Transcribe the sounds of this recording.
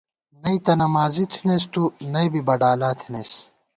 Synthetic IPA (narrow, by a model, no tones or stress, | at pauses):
nɐit̪ɐnɐmaːzit̪ʰinest̪unɐjbibɐɖaːlaːt̪ʰi̥neːs